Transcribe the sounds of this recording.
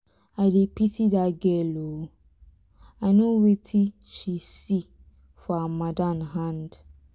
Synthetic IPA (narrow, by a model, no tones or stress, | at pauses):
adepitidaɡɛlo | aɪnowetʰi | ʃisi | fɔamadanɦãnd